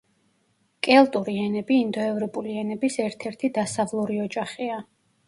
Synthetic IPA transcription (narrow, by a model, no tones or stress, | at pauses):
kʼɛlˠt̪ʼuɾiɛnɛbiːnd̪ɔɛvɾɔpʼuliɛnɛbisɛɾt̪ʰɛɾt̪ʰid̪asavlˠuɾiɔd͡ʒaχia